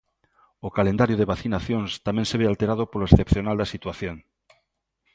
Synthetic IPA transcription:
okalend̪aɾjoðeβaθinaθjõŋst̪amẽŋseβealt̪eɾað̞opoloesθepθjonald̪asit̪waθjoŋ

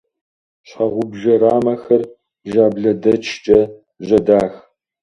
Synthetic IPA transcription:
ɕʰɑʁʷʊbʒɐɾaːmɐxɐr | ʒaːbɮɐdɐt͡ʃʰt͡ʃʼɐ | ʑɐdaːx

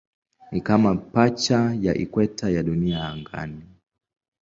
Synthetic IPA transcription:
nikamapat͡ʃajaʔḭkwɛtajaɗuniaːŋɡa̰ni

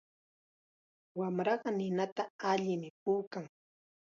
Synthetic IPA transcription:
wamɾɑɢɑnɪnat̪aaʎɪmɪpuːkaŋ

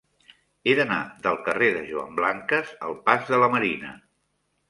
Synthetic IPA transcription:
eðəna̰ðəlˠkəreðəʒuə̰mblaŋkəzə̰lˠpazðələməɾinə̰

